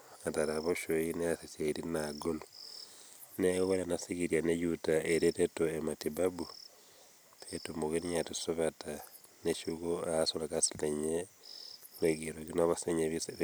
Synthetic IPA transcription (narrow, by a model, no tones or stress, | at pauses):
ataɾaβoʃoineasisaiɾinaɡolo | newelenasikiɾjanejutaeɾetetoematibabu | pʰetumoɣiniɲatusoβata | neʃukoaasolakasileɲe | neɡiɾoɡinaβaseɲeβise